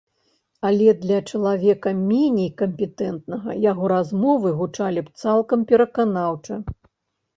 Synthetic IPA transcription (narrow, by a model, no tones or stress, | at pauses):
ɐlʲɛd̪lʲɐt͡ʂɐlˠavʲɛkɐmʲenʲejkɐmʲpʲɛt̪ɛnt̪nɐɣɐ̰jaɣɔɾazmɔvɨɣut͡ʂalʲipt̪salˠkɐmpʲɛɾɐkanawt͡ʂɐ